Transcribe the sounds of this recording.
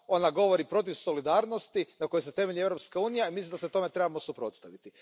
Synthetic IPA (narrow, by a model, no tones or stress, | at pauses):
o̞naɡo̞ʋo̞ɾipɾo̞t̪̬iʋso̞lid̪aːɾnost̪inako̞joset̪e̞me̞ʎie̞vɾopskauːnijaimislimd̪aset̪o̞me̞t̪ɾebamo̞supɾo̞̰t̪st̪aʋit̪i